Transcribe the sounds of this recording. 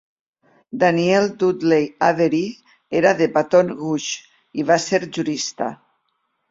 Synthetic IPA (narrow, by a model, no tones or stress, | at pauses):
d̪anield̪ud̪lejaβeɾi | eɾaðepat̪onɣuʃ | iβaseɾʒuɾist̪a̰